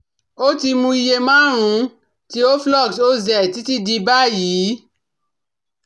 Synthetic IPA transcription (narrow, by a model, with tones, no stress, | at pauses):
o˦ti˧mũ˧i˧je˧mãː˦ɾ̃ũ˨˦ | ti˦o˦flɔ˦˨kso˦zɛ˨ti˨˦ti˦di˧ba˦jiː˨˦